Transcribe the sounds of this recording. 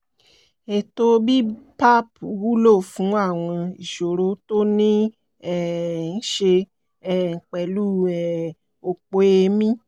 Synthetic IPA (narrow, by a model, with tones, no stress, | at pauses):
e˨to˧bi˦pa˦pu˨wu˦lo˦˨fũ˨˦a˦˨w̃ɔ̃˧i˨ʃo˨ɾo˨˦to˦nĩ˦ | ɛ˦˨n̩˦ʃe˧ | ɛ˦˨ŋ̩˨k͡pɛ˨˦lu˦ɛ˨ | o˧k͡po˨˦e˧mĩ˦